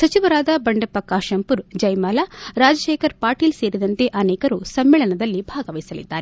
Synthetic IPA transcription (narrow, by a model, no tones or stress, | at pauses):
sɐt͡ʃiʋɐɾaːd̪ɐbɐɳɖɐpɐkaːʃɐmpuɾd͡ʒɐjmaːlaɾaːd͡ʒɐʃeːkʰɐɾpaːɾʈiːlse̞ːɾid̪ɐnt̪e̞ʔɐneːkɐɾusɐmːeːɭɐnɐd̪ɐlːibʱaːɡɐʋɐjsɐlḭd̪ːaːɾe